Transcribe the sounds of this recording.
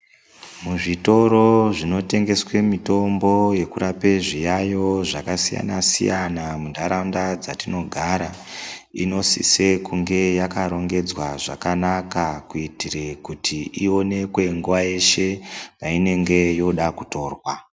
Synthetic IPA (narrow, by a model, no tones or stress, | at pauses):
muʐito̞ɾo̞ʐino̞te̞ŋɡe̞swe̞mito̞mbo̞je̞kuɾape̞ʐijajo̞ʐakasija̰nasḭjanamundaɾaundad͡zatino̞ɡʱaɾaino̞sḭse̞kuŋɡe̞jakaɾo̞ŋɡe̞d͡zwaʐakanakakuitire̞kutʰiio̞ne̞kwe̞ŋɡuʋaje̞ʃe̞paine̞ŋɡe̞jo̞ɗakuto̞ːrwa